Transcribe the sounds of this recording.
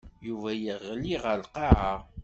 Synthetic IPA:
juvæjəʁliʁəlqɑʕa

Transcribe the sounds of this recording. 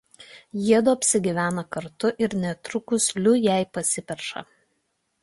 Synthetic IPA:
jiɛd̪oɐpʲsʲɪɡʲɪʋʲæːnɐkɐɾt̪ʊʔɪɾnʲɛt̪ɾʊkʊslʲʊjæˑɪpɐsʲɪpʲɛɾʃɐ̰

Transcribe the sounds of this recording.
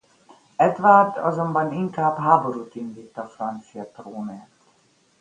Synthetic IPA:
ɛd̪ʋard̪ɒ̰zo̞mbɒniŋkaːbɦaːbo̞ɾuːt̪ind̪iːt̪ːɒfrɒnt̪sijɒt̪roːneːt̪

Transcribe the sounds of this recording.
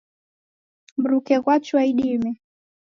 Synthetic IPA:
mb̩ɾukɛɣwat͡ʃwaiɗimɛ

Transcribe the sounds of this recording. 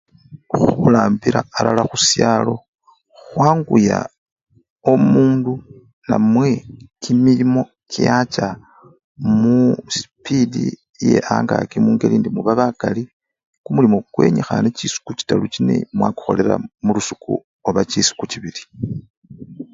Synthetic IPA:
xulaːmbiɾaːlalaxusjalo̞ | xwaːŋɡuja | o̞muːndu | namwe̞kimilimo̞ | kijat͡ʃa | musi̥pidḭ | je̞ʔaːŋɡakimuːŋɡe̞liːndimuβaβakali | kumulimo̞ɡ̥we̞ːɲexanet͡ʃisu̥kut͡ʃi̥talut͡ʃine̞̰mwaku̥xo̞̰le̞ɾa̰mulusu̥kṵ | oβat͡ʃisu̥kut͡ʃiβili

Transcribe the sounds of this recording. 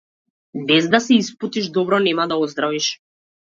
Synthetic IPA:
bɛzd̪asɛisput̪iʒd̪ɔbɾɔnɛmad̪aɔzd̪ɾaviʃ

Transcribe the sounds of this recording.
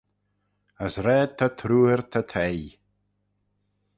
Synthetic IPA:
əsɾɛːd̚t̪ʰat̪ʰɾuːəɹt̪ʰat̪ʰej

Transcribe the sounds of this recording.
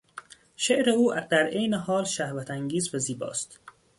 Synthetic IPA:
ʃeʔɾe̞uːd̪æɾejneɦɒːlʃæhvæt̪ʰæŋɟiːzvæziːbɒ̰ːst̪

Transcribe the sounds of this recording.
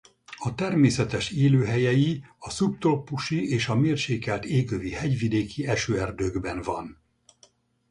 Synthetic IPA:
ɒt̪ɛrmeːsɛt̪ɛʃeːløːɦɛjɛjiɒsup̚t̪opːuʃieːʃɒmeːrʃeːkɛlt̪eːɡøvihɛɟvid̪eːkiɛʃøːɛrd̪øːɡbɛnvɒn

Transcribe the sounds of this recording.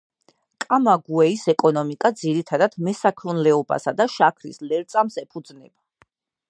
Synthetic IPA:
kʼamaɡuɛisɛkʼɔnɔmikʼad̪ziɾit̪ʰad̪ad̪mɛsakʰɾunlɛɔba̰sad̪aʃakʰɾḭslɛɾt̪sʼamsɛpʰud̪znɛba

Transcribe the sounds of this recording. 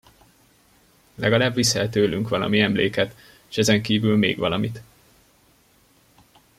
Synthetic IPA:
lɛɡɒlaːbʋisɛlt̪øːlyŋkʋɒlɒ̰miɛmlḛːkɛt̪ː | ʃɛzɛŋkiːvylmḛːɡʋɒlɒmit̪

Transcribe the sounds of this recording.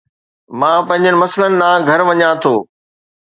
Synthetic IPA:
mãːpɐ̃ɦɪ̃ɲd͡ʑənɪ̆mɐslənɪ̆nãːɡʱɐɾʋɐɲãt̪ʰoː

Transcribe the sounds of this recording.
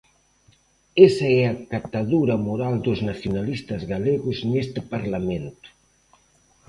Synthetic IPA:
esɐɛakat̪aðuɾɐmoɾald̪ʊznaθjonalist̪ɐzɣaleɣʊznest̪ɪpaɾlament̪ʊ̥

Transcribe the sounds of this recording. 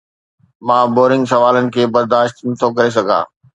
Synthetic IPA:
mãːboːɾɪ̃ŋɡsɐʋaːlənɪ̆kʰeːbɐɾd̪aːʃt̪nɐt̪ʰokɐɾes̬ɐɡʱa̰ː

